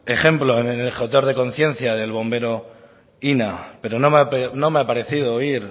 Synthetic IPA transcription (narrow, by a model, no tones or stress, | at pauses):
e̞xe̞mploenenelxot̪oɾð̞e̞ko̞nθje̞n̟θjaðe̞lβ̞o̞mbe̞ɾo̞ | inape̞ɾo̞nomapnõ̞meapaɾe̞θið̞oiɾ